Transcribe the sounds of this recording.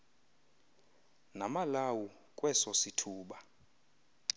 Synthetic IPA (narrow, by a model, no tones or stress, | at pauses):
namalawu | kʼwɛsɔsitʰuːɓa